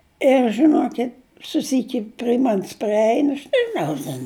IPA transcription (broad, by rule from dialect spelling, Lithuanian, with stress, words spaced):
ɪr ʒʲɪˈnoːkʲɪtʲ sʊˈsʲiːkʲɪ pʲrʲɪ ˈmɐnʲs pʲrʲɪˈɛɪn ɐʃ nʲɛʒʲɪˈnɐʊ tʲɛn